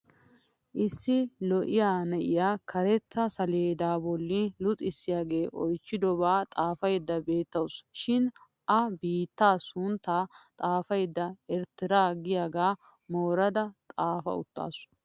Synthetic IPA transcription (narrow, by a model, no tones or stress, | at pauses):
ʔɪsːɪlɔʔɪjaːnɛʔɪjaːkʰɐɾɛt̪ːɐsɐleːd̪aːbɔlːɪlʊt͡sʼɪsːɪjaːɡe̞ːʔɔjt͡ʃːɪd̪ɔbaːt̪ʼaːfɐjd̪ːɐbe̞ːt̪ːɐwʊsʃɪn | ʔɐbiːt̪ːaːsʊnt̪ːaːt̪ʼaːfɐjd̪ːɐɛɾt̪ɪɾaːɡɪjaːɡaː | moːɾɐd̪ɐt̪ʼaːfɐ̰ʊ̰t̪ːa̰ːsʊ̥